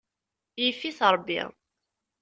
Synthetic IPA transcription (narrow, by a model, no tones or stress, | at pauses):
jəfːiθɾˤbːḭ